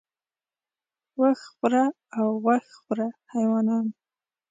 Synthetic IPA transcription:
waxxʊɾa | awɣaxχʊɾahajwɑnɑn

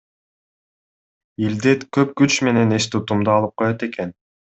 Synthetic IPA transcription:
ild̪et̪køp̚kyt͡ʃme̞ne̞neʃt̪ut̪umd̪ɑɑlˠɯp̚qʰo̞jot̪e̞kʰen

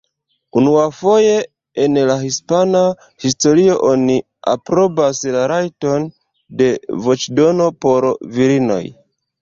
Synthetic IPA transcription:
unuafo̞je̞ | enlaɦispana | histo̞ɾio̞ʔoni | a̰pɾo̞baslaɾajto̞n | de̞vo̞t͡ʃdo̞no̞po̞ɾviɾino̞̰j

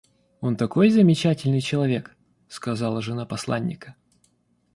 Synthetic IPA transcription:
o̞nt̪ɐko̞jzəmʲɪt͡ɕætʲɪlʲnɨjt͡ɕɪlˠɐvʲe̞k | skɐzɑlˠəʐɨnapɐslˠanʲːɪ̰kə̥

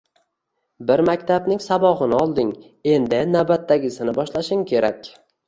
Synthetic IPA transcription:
bɪɾmakʲt̪ʰabnɪŋsabɒʁɨnɪɒlˠd̪ɪŋ | e̞nd̪ɪnawbat̪ːaɡʲɪsɪnɪbɒʃlaʃɪŋkʲʰe̞ɾakʲ

